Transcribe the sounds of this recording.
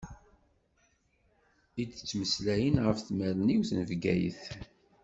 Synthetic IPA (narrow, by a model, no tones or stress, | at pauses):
id̪t͡sːməslæjənʁəfθmæɾəniwθənəvɡæ̰jə̰θ